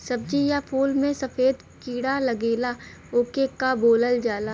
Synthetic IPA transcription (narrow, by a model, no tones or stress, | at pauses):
sɐb̚d͡ʒijapʰuːlmẽsɐfʰeːd̪ | kiːɽalɐɡeːla | oːkekaboːləld͡ʒaːlaː